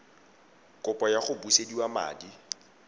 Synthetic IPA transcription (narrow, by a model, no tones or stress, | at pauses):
kʼʊpʼɔjaχʊbusediwama̰ːdi